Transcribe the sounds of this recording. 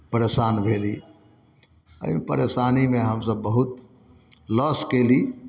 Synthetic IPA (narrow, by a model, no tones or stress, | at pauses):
pəɾesanbʱeli | ə̰ɦimḛpəɾesanimeɦəmsəbːəɦut̪̚ | ləskeli